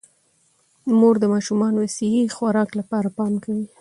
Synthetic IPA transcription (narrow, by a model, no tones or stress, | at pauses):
moɾd̪əmɑʃumɑnwasihixwaɾɑklapɑɾapɑmkawi